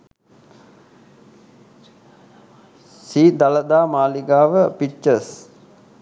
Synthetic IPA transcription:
siːd̪aləd̪aːmaːliɡaːʋəpit͡ʃəs

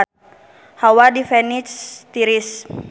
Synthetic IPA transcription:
hawadifɛnit͡ʃt̪iɾis

